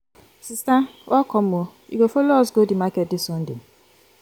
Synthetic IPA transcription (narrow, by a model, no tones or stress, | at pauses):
sistawɔkʰɔm̩oḭɡofolɔsɡodimakɛt̚dɪsɔn̩dɪ̰